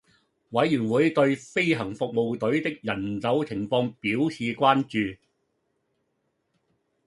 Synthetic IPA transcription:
wɐ˨˥jːyː˨˩nwuː˨˥jt̪ɵ˧ɥfe˥jɦɐ˨˩ŋfʊ˨k̚mo˨wt̪ɵ˨˥ɥt̪ɪ˥k̚jɐ˨˩nt͡sɐ˨˥wt͡sʰɪ˨˩ŋfɔː˧ŋpiː˨˥wsʰiː˨˧kʷaː˥nt͡ʃyː˨

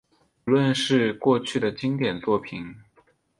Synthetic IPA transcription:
u˧lwə˥˧nʂɻ̩˥˧kwɔ˥˧t͡ɕʰy˥˩d̪ə˩t͡ɕi˥ŋt̪jɛ˨˩nt͡swɔ˥˩pʰi˨˩˥n

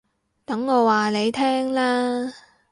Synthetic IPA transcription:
t̪ɐ˨˥ŋːɔː˨˧waː˨˩ne˨˧jt̪ʰɛː˥ŋlaː˥

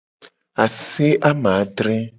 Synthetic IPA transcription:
a˨se˦ʔa˦mã˨˦ɖ̪ɾɛ˦

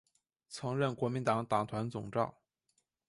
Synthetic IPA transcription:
t͡sʰɤ˧˥ŋɻə˥˩nkwɔ˧˥mi˧˥nt̪ɑ˧˥ŋt̪ɑ˨˩ŋt̪ʰwa˧˥nt͡sʊ˨˩ŋʈ͡ʂɑ˥˩ʊ

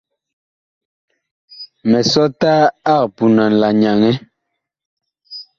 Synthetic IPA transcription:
mɛ˨sɔ˦ta˦a˦˨pu˨na˨n̩˨la˨ɲa˨ŋɛ˦

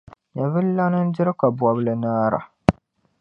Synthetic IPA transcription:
ɲa˨vɨ˦lːa˦nɨ˦n˦dɪ˦ɾɨ˦ka˨bwɔ˨blɨ˨naː˦ɾa̰˨

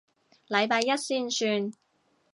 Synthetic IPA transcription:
lɐ˨˧jpaː˧jɐ˥t̚siː˥nsyː˧n

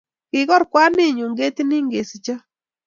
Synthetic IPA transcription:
kɪ˨ɣɔ˦ɾkwa˦nɪ˦˨ɲo˨ŋɡe˦t̪i˦ni˦ŋɡe˨si˨t͡ʃa˦

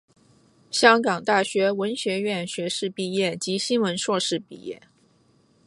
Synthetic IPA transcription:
ɕjɑ˥ŋkɑ˨˩ŋt̪a˥˩ɕɥɛ˧˥wə˧˥nɕɥɛ˧˥ɥɛ˥˩nɕɥɛ˧˥ʂɻ̩˥˧pi˥˧jɛ˥˩t͡ɕi˧˥ɕi˥nwə˧˥nʂwɔ˥˧ʂɻ̩˥˧pḭ˥˧jɛ̰˥˩

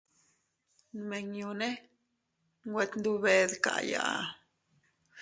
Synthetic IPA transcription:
me˨ɲju˧ne˦ | ŋɡwe˧t̪nd̪u˦be˧d̪ka̰˨ja̰˨

